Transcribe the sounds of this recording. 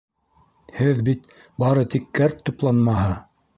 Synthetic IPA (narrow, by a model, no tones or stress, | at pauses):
hɘðbit̪ | bɑɾɤt̪ikːæɾt̪ːŏplˠɑnmɑɦɤ